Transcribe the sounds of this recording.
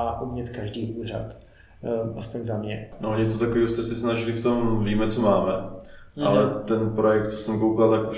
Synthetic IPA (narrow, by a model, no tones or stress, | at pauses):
aʔumɲɛt̪kaʒdiːʔuːr̝a̰t̪ | ʔaspoɲzamɲɛnoɲɛt͡sot̪akoviːɦost̪ɛsɛsnaʒɪlɪft̪o̞mviːmɛt͡somaːmɛ | ʔalɛt̪ɛnpɾo̞jɛk̚t̪t͡so̥sɛmkowkalt̪akuʃ